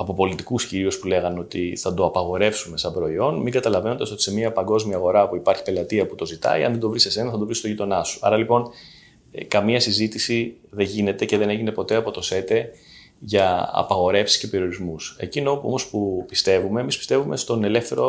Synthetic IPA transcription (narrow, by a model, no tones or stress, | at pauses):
ɐpo̞po̞lit̪ikusciɾio̞spule̞ɣɐno̞t̪iθɐd̪o̞ɐpɐɣo̞ɾe̞fsume̞sɐmbɾo̞io̞nmiŋɡɐt̪ɐlɐve̞nond̪ɐso̞t̪i̥se̞miɐpɐŋɡo̞zmiɐɣo̞ɾɐpuipɐɾçi̥pe̞lɐt̪iɐput̪o̞zit̪ɐ̰iɐ̰nðed̪o̞vɾise̞se̞nɐθɐd̪oɾist̪oʝit̪o̞nɐsu̥ɐ̰ɾɐlipo̞n | kɐmiɐsizit̪isiðeɲʝine̞t̪e̞ce̞ðe̞ne̞ʝine̞po̞t̪e̞ɐpo̞t̪o̞se̞t̪e̞ | ʝɐɐ̰pɐɣo̞ɾe̞fsi̥sce̞pe̞ɾio̞ɾizmuse̞̰cinopomo̞spupist̪e̞vume̞ːmispi̥st̪e̞vume̞st̪o̞ne̞le̞fθe̞ɾo